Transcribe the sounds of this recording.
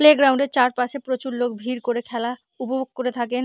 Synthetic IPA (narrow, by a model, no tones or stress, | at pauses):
leɡɾawɳɖeɾt͡ɕaɾpaʃepɾot͡ɕuɾlok̚bʱiɾkoɾekʰɛla | upobok̚koɾet̪ʰaken